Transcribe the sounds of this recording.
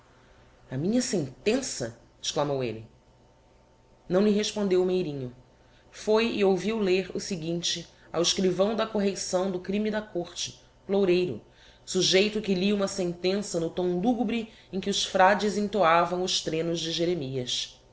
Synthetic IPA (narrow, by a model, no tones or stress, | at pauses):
ɐmĩɲɐsẽnt̪ẽsɐ̰ | ɪ̥ʃklamowḛlɪ | nɐ̃w̃liɦeʃpõnd̪ewmejɾĩɲʊ | fojɪowviwleɾʊsɪɡĩt͡ʃɪ | a̰wɪʃkɾivɐ̃w̃d̪ɐkoɦesɐ̃w̃d̪ʊkɾĩmid̪ɐkoχt͡ʃɪ̥ | plowɾejɾʊ̰ | suʒejt̪ʊkɪliũmɐsẽnt̪ẽsɐnʊt̪õw̃luɡubɾɪ | ẽkʲɪʊsfɾad͡ʒɪzẽŋt̪oavɐ̃w̃ʊʃt̪ɾẽnʊzd͡ʒɪʒeɾemiɐs